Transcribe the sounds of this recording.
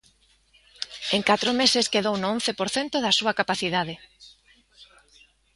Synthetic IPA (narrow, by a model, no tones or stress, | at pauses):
eŋkat̪ɾʊmeseskeðownʊõn̟θepoɾθent̪ʊðasuɐkapaθiðað̞ɪ